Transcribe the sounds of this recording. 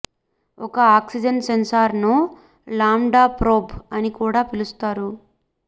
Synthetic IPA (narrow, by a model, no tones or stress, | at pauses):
ɔkɐaːksid͡ʒɐnsensaːɾnu | laːmɖaːpɾoːbɐnikuːɽaːpilust̪aːɾu